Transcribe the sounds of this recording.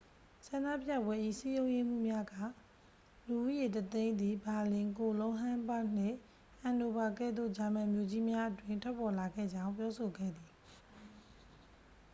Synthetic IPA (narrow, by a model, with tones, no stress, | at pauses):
sã˨na̰˦˨pjä˦˨bwɛ˦ʔḭ˦˨si˦jõ˦ʊ̃je˦m̥ṵ˦˨mja˦ɡä̰˦˨ | lu˨ʔu˦je˨tət̪ẽ˦ɪ̃nd̪ði˨ba˨lɪ̃˨ko˨lõ˦ʊ̃ɦã˦mba˦˨n̥ɪ̰̃˦˨ | ʔã˨no˨ba˨kɛ̰˦˨d̪o̰˦˨d͡ʑa˨mɛ̃˨mjo˨d͡ʑi˦mja˦ʔətwɪ̃˦˨ntʰwɛ˦pːɔ˨la˨ɡɛ̰˦˨d͡ʑã˦ʊ̃mp̬jɔ˦so˨ɡɛ̰˦˨d̪i˨